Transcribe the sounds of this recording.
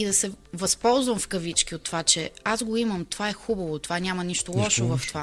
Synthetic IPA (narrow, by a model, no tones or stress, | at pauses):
id̪ɐsɛvɐspɔlˠzvɐmfkɐvit͡ʃk̟iot̪ːovat͡ʃɛazɡoiməmt̪ovaɛxubɐvot̪ovanʲamɐniʃt̪olˠɔʃovɐft̪ova